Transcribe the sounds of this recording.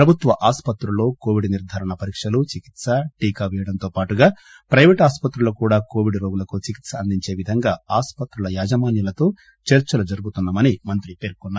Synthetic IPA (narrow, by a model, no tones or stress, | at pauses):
pɾɐbʱut̪ʋɐʔaːspɐt̪ɾulo̞ːkoːʋiɖniɾd̪ʱaːɾɐɳɐpɐɾiːkʂɐlut͡ʃikit̪sɐʈiːkaʋɛjɐɽɐnt̪o̞ːpaːʈuɡaː | pɾɐjʋeːʈaːspɐt̪ɾulɐkuːɽaːko̞ːʋiɖɾo̞ːɡulɐkut͡ʃikit̪sɐːnd̪iɲt͡ʃe̞ːʋid̪ʱɐŋɡaːaːspɐt̪ɾulɐjaːd͡ʒɐmaːnjɐlɐt̪o̞ː | t͡ʃɐɾt͡ʃɐlɐd͡ʒɐɾuɡut̪unːɐmɐnimɐnt̪ɾipe̞ːɾkunːa